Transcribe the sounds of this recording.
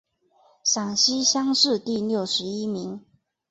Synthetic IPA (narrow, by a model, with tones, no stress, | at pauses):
ɕɑ˨˩ŋɕi˦˥ɕjɑ˥ŋʂɻ̩˥˧t̪i˥˨ljo˥˩ʊʂɻ̩˧˥i˦˥mi˧˦ŋ